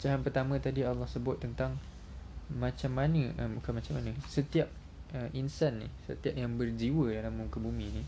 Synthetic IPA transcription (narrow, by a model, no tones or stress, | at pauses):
t͡ʃaɦanpərt̪amə̃t̪adialːɑhsəbʊt̪ːənt̪aŋ | mãt͡ʃamːanəəbukanmat͡ʃamanə̃sət̪iap̚ | əʔinsanːḭhsə̰t̪iap̚jaŋbərd͡ʒiwədalamːumkəbumĩni